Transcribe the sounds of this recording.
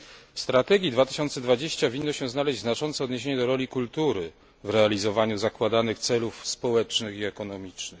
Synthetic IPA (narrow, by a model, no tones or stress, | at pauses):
fst̪ɾat̪ɛɡʲjid̪vat̪ɘ̥ɕɔnt̪sɛd̪vad͡ʑeɕt͡ɕavʲinːɔɕɛ̃znalɛʑd͡ʑʲznat͡ʂɔnt̪sɛɔd̪ɲeɕ̬eɲɛd̪ɔɾɔlʲikult̪uɾɘ | vɾɛalʲizɔvaɲuzakwad̪anɘxt̪sɛlufspɔwɛt͡ʂnɘxiɛkɔnɔmʲit͡ʂnɘx